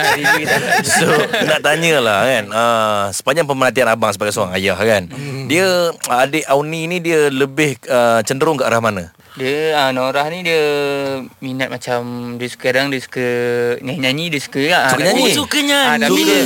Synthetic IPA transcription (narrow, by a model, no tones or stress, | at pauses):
iitasonaʔt̪aɲəlahkanəsə̥paɲd͡ʒaŋpəməhant̪ianabaŋsəbaɡajsoɾaŋajahkandiəːdəʔawninidiələbɪhət͡ʃəndəɾʊŋkəʔaɾahmana | diəənoɾahnĩdiə | minat̪̚mat͡ʃamdiəsə̥kaɾaŋdiəsu̥kəɲaɲaɲidiəsu̥kəasukɲaɲsukəɲat̪aidiə